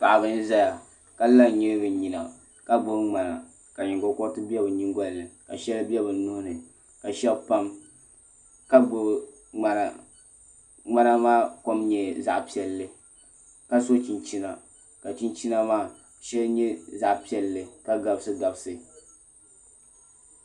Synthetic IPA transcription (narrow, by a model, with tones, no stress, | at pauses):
pa˨ʔa˨bɨ˦n˦za˦ja˨ | ka˦la˦ɲɛ˦bɨ˨ɲi˨na̰˨ | ka˦ɡ͡bo˦ŋ͡ma˨na̰˨ | ka˨ɲi˨ŋɡo˨kɔ˦tɨ˦bɛ˦bɨ˨ɲi˦ŋɡɔ˦llɨ˨ka̰˨ʃɛ˦lɨ˦bi˦ɛ˦bɨ˨˦nʊ˦hnɨ˨ | ka˨ʃɛ˦bpa˦m | ka˦ɡ͡bo˦ | ŋ͡ma˨na˨ | ŋ͡ma˦na˦maː˦ko˦mɲɛ˨za˦ʔpi˦ɛ˨lːɨ˨ | ka˦so˦t͡ʃi˨nt͡ʃi˦na˨ | ka˨t͡ʃi˦nt͡ʃi˦na˦maː˦ | ʃɛ˦lɲɛ˦za˦ʔpi˦ɛ˨lːɨ˨ka˦ɡa˨bsɨ˦ɡa˨bsɨ˨